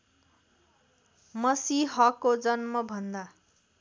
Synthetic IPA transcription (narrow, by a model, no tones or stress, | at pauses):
mʌsiɦʌkːod͡zʌnmʌbʱʌnd̪a